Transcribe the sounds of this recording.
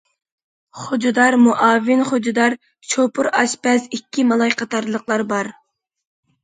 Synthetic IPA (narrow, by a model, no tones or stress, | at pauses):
χod͡ʒud̪ɑɾmuʔɑːvːɪnχod͡ʒud̪ɑɾ | t͡ʃʰopʰʊɾɑʃbɛzikʲːimɑlˠɑjqɑt̪ːɑɾlˠəqlˠɑɾbɑɾ